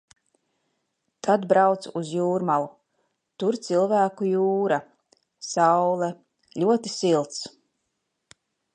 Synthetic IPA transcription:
t̪ʰad̪bɾawt̪suzjuːɾmalˠu | t̪uɾt̪silˠvæːkujuːɾa | sawlˠɛ | ʎʲuɔt̪isilˠt̪s

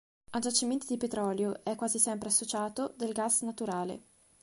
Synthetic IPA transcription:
ad͡ʒat͡ʃːiment̪id̪ipet̪ɾɔːljoɛkːwaːzisɛmpɾeasːot͡ʃaːt̪od̪elɡasnat̪uɾaːlḛ

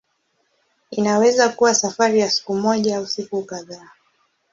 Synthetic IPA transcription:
inawɛzakuwasafaɾijasi̥kumɔʄaausikukaðaː

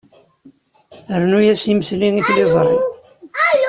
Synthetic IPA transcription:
əɾnujæsiməθliŋiθliðˤərˤi

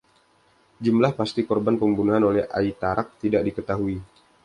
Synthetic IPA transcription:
d͡ʒumlahpast̪ikɔrbanpəmbunuɦanolɛha̰it̪aɾʔak̚t̪idaʔ̚dikət̪aɦui

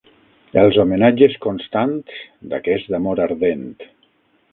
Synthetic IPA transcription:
elˠzomenad͡ʒeskonst̪ant̪z | d̪akɛzd̪amoɾaɾðent̪

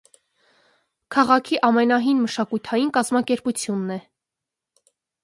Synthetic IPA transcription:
kʰɑʁɑkʰiʔɑmɛnɑɦinməʃɑkujt̪ʰɑjinkɑzmɑkɛɾput͡sʰjunːɛ

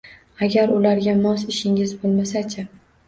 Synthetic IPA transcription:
aɡʲaɾʊlaɾɡʲamɒsɪʃɪŋɪzbolˠmasat͡ʃʰɪ

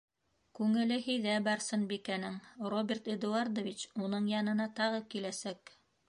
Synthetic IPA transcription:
kʉŋɘ̆lɘɦijðæbɑɾsɤnbikænɘŋrobʲert̪ĭd̪uaɾd̪ovʲit͡ɕunɤɴjɑnɤ̆nɑt̪ɑʁɤkilæsæk

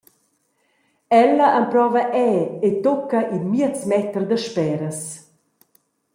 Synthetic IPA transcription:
ɛlːɐʔampɾɔːvɐʔɛːet̪ɔkːɐʔinmiət͡smɛt̪ərd̪əʃpɛːɾəs

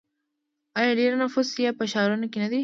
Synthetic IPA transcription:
ɑjɑɖeɾnafʊsjapəʃɑɾunakenad̪i

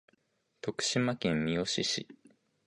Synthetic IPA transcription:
t̪o̞kɯ̟̥ɕimakẽmmʲio̞ɕiɕḭ

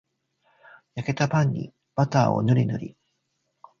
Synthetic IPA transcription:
jake̞t̪apãɲ̟ːḭ | b̥at̪aːo̞̰noɾʲinoɾʲi

